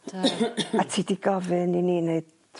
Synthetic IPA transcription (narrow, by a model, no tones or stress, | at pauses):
atʰiːdiɡɔvɨniniːneɨd̥